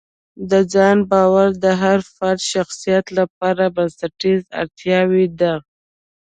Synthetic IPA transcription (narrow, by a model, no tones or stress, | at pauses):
d̪əd͡ʒɑnbɑwaɾd̪əɦaɾfaɾt̪ʃaxsijat̪lap̚ɑɾabansaʈiza̰ɾt̪jɑwid̪a